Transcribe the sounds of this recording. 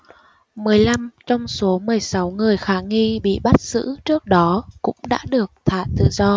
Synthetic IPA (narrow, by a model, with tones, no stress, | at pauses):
mɨ˨˩əjla˧mt͡ɕɔ˧wŋ͡mso˨˦mɨ˨˩əjsa˨˦wŋɨ˨˩əjxaː˨˦ŋi˧ɓḭ˧˨ɓa˦˥t̚z̥ɨ̰˧˥t͡ɕɨ˦˥ək̚ɗɔ˨˦kʊ̰˧˥ŋ͡mɗa̰ː˧˥ɗɨ˨˩ək̚t̪ʰa̰ː˧˨t̪ɨ̰˧˨zɔ˧